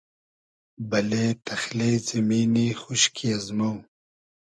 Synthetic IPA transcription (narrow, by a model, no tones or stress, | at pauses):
bɐleːt̪ʰɐxleːzɐmiːnixuʃkʰiɐzmaw